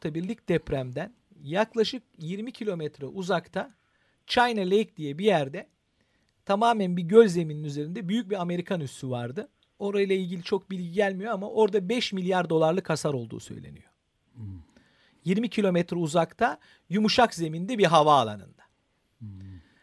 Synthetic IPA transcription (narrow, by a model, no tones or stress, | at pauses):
t̪ʰabiɾlʲic̚d̪̥ɛpɾæmd̪æn | jaklˠaʃɯk̚jiɾmicʰilʲo̞mɛt̪ɾɛʔuzakt̪ʰa | t͡ʃʰajnalʲejc̚d̪ijɛbijæɾd̪ɛ | t̪ʰamaːmænbiɟø̞zʲze̞mininyze̞ɾind̪ɛbyjyc̚biame̞ɾikʰanyst̪ʰyvaɾd̪ɯ | o̞ɾajɯlˠailʲɟilʲit͡ʃʰo̞k̚bilʲɟiɟælʲmijo̞amaʔo̞ɾd̪abɛʃmilʲjaɾd̪o̞lˠaɾlˠɯkʰasaɾo̞lˠd̪ṵːsø̰jlʲḛnḭjo̞ | jiɾmicʰilʲo̞mɛt̪ɾɛuzakt̪ʰa | jumuʃakze̞mind̪ɛbiɾɦavaːlˠa̰nɯ̰nd̪̥ḁ